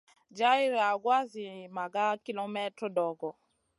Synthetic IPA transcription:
d͡ʒa˦i˦ɾa˨ɡwa˦zi˨ma˨ɡa˦ki˦lɔ˦mɛ˦tɾɔ˦dɔ˨ɡɔ˨

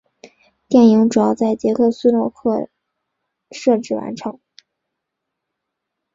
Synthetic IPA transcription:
t̪jɛ˥˩ni˧˥ŋʈ͡ʂu˨˩jɑ˥˧ʊt͡sa˥˩ɪt͡ɕjɛ˧˥kʰɤ˥˧su˥˧lo˥˩ʊkʰɤ˥˩ | ʂɤ˥˧ʈ͡ʂɻ̩˥˩wa̰˧˥nʈ͡ʂʰɤ˧˥ŋ

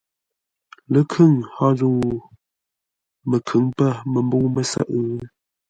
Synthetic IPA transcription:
lə˦kʰʉ˦˨ŋhɔ˦zu˦˨ | mə˨kʰʉ˨˦ŋpə˦˨mə˨mbu˦mə˨sə̰˦˨ʔ

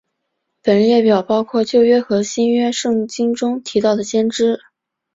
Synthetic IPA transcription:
pə˨˩n˧jɛ˥˩pjɑ˨˩ʊpɑ˥ʊkʰwɔ˥˧t͡ɕjo˥˧ʊɥɛ˥xɤ˧˥ɕi˥nɥɛ˥ʂɤ˥˩ŋt͡ɕi˥ŋʈ͡ʂʊ˥ŋt̪ʰi˧˥t̪ɑ˥˩ʊd̪ə˩ɕjɛ˥nʈ͡ʂɻ̩˥

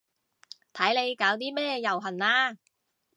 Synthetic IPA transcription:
t̪ʰɐ˨˥jle˨˧jkaː˨˥wt̪iː˥mɛː˥jɐ˨˩wɦɐ˨˩naː˧

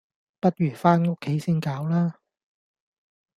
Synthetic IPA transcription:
pɐ˥t̚jɥyː˨˩faː˥nŋʊ˥kʰːe˨˥jsiː˥nkaː˨˥wlaː˥

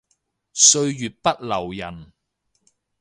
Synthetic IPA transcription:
sɵ˧ɥjyː˨t̚pɐ˥t̚lɐ˨˩wjɐ˨˩n

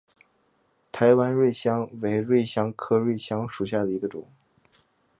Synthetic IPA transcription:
t̪ʰa˧˥ɪwa˥nɻwe˥˩ɪɕjɑ˥ŋwe˧˥ɪɻwe˥˩ɪɕjɑ˥ŋkʰɤ˥ɻwe˥˩ɪɕjɑ˥ŋʂu˨˩ɕ̬ja˥˩d̪ə˩i˧˥ɡə˧ʈ͡ʂʊ̰˨˩˦ŋ

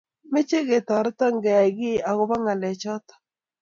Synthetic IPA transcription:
me˦t͡ʃe˦ɡe˨t̪ɔ˨ɾt̪ɔ˦ŋɡɛ˨a˨ɡɪ˦a˨ɣʊ˦ba˦ŋa˨lɛ˨t͡ʃɔ˦t̪ɔ̥˨

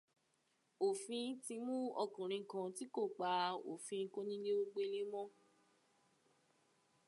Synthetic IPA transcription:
o˨fĩ˧˦ti˧mũ˦ɔ˧kũ˨ɾ̃ĩ˨˧˦kã˧ti˦ko˦˨k͡pa˨˧o̰˨fĩ˧˦ko˦nĩ˦le˦o˦ɡ͡be˧˦le˦mɔ̃˦

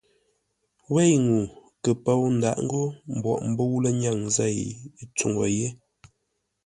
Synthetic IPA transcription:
we˦˨jŋu˨ | kə˨pə˦wn̩˨da̰˨ʔŋ̩˦ɡo˦m̩˨bwɔ̰˨ʔm̩˨˦bo˦wlə˦ɲa˦˨ŋzɛ˦˨jt͡su˨ŋo˨je˦

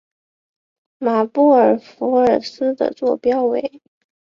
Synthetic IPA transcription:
ma˨˩pu˥˩ə˞˨˩fu˧˥ə˞˨˩sɹ̩˥d̪ə̰˨t͡swɔ˥˩pjɑ˥ʊwe˨˧˩ɪ

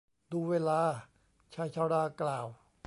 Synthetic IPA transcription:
d̪uː˧weː˧laː˧ | t͡ɕʰa˧˥˩jt͡ɕʰaː˧˩ɾaː˧˩klaː˨˩w

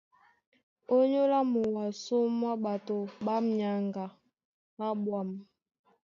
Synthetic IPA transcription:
o˦ɲo˦la˦mu˨wa˨so˦mwa˦ɓa˨to˨ɓa˦mja˨ŋɡa˨ | ɓa˦ɓwa˨m

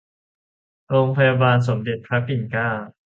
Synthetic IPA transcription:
ɾoː˧ŋpʰa˧ja˧baː˧ns̬o˩˦mde˨˩t̪̚kʰa˦˥kːi˨˩nkaː˥˩

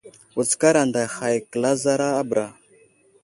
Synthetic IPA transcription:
u˨t͡ska˦ɾa˨nda˨xa˨jkə˨la˦za˦ɾaː˦bɾa˨

